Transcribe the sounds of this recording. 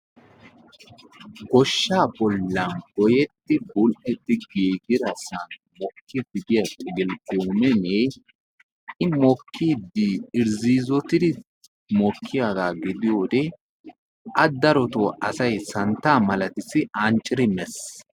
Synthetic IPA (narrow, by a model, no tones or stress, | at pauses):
ɡɔʃːaːbɔlːɐnɡɔjɛt̪ːɪbʊlʔɛt̪ːɪɡiːɡɪɾɐsɐn | mɔkʰːiːɡɪd̪ɪjɐtʼɪɡɪlkʼumɛne | ʔɪmɔkʰːiːd̪ːɪɪɾziːzɔt̪ɪd̪ɪ | mɔkʰːɪjaɡaːɡɪd̪ɪjoːd̪ɛ | ʔɐd̪ɐɾɔt̪oːʔɐsɐjsɐnt̪ːaːmɐlɐt̪ɪsɪʔɐnt͡ʃʼːɪɾɪmɛs